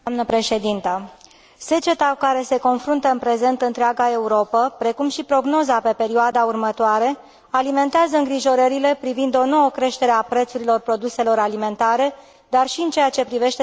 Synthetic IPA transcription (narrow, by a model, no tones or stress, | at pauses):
amnəpɾe̞ʃe̞d̪int̪ə | se̞t͡ʃe̞t̪akaɾe̞se̞ko̞nfɾunt̪əɨnpɾe̞ze̞nt̪ɨnt̪ɾeaɡae̞uɾo̞pəpɾe̞kumʃipɾo̞ɡno̞zape̞pe̞ɾioad̪aurmət̪oaɾe̞ | alime̞nt̪eazəɨŋɡɾiʒo̞ɾəɾile̞pɾivind̪o̞nowəkɾe̞ʃt̪e̞ɾeapɾe̞t̪suɾilo̞rpɾo̞d̪use̞lo̞ɾalime̞nt̪aɾe̞ | d̪arʃiɨnt͡ʃe̞jat͡ʃe̞pɾive̞ʃt̪e